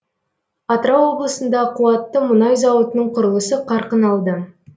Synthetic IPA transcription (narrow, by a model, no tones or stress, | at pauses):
ɑt̪ɾɑwo̞blˠəsənd̪ɑqʰuɑt̪ːəmʊnɑjzɑwət̪ənəɴqʰʊɾəlˠəsəqʰɑɾqənɑlˠd̪ə